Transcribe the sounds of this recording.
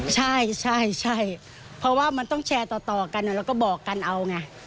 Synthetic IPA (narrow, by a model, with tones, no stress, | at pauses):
t͡ɕʰa˥˩jt͡ɕʰa˥˩jt͡ɕʰa˥˩j | pʰɔ˦˥waː˥˩ma˧nt̪ɔ˥˩ŋt͡ɕʰɛː˧t̪ɔː˨˩t̪ɔː˨˩ka˧nːa˧˨˩ɾɛː˧˦˥wkɔː˥˩bɔː˨˩kːa˧nʔa˧wŋa˧